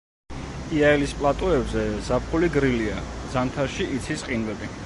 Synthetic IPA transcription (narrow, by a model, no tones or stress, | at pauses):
iaɛlispʼlˠat̪ʼɔɛbzɛzap̚ʰχuliɡɾiliazant̪ʰaɾʃiʔit̪sʰisqʼinvɛbi